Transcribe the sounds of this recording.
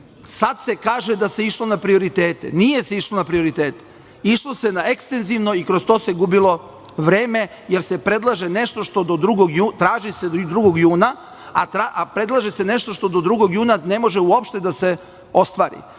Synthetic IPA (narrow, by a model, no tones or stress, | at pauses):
sad̪se̞kaːʒed̪ase̞iʃlo̞napɾio̞ɾit̪eːt̪ḛnije̞seiʃlˠo̞napɾio̞ɾit̪eːt̪e | iʃlˠo̞senae̞kst̪e̞nziʋno̞ikɾost̪o̞se̞ɡubilo̞ | ʋɾe̞ːme̞ | jeɾse̞pɾe̞d̪lˠaʒene̞ʃt̪oʃt̪o̞d̪o̞d̪ɾuɡoɡjuːt̪ɾaːʒised̪ɾuɡo̞ɡjuːna | at̪ɾaʔapɾe̞d̪lˠaʒese̞ne̞ʃt̪oʃt̪o̞d̪od̪ɾuɡoɡjuːnane̞mo̞ʒeuopʃt̪e̞d̪ase̞ | o̞st̪ʋaːɾḭ